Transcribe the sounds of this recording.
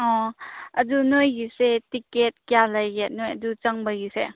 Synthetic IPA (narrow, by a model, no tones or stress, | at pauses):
ɔɐdunojɡisetiket̚kijalajɡet̚nojɐdut͡ʃɐŋbəjisḛ